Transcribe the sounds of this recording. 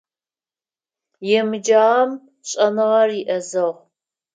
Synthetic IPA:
jɛmɨd͡ʒaːm | ɕʼɐnɨʁɐriʔɐzɐʁ

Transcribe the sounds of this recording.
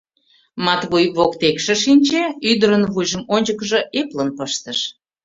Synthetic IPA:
mɑt̪βujβokt̪ekʃĕʃinʲt͡ɕeyd̪əɾənβujʒəmonʲt͡ɕəkəʒəʔeplənpəʃt̪əʃ

